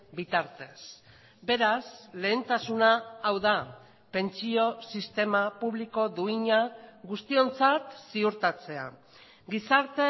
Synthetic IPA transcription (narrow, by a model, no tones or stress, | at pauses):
bit̪aɾt̪e̞s | be̞ɾasle̞ːnt̪asunaːwða | pe̞nt͡sio̞sist̪e̞mapuβliko̞ðuiɲaɣust̪io̞nt͡sat̪siuɾt̪at͡se̞a̰ | ɡisaɾt̪e̞